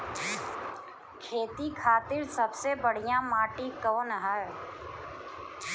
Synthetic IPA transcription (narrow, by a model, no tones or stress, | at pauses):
kʰeːt̪ikʰaːt̪ɪɾsɐbsebəɽ̤ijãmaːʈikəːnɦə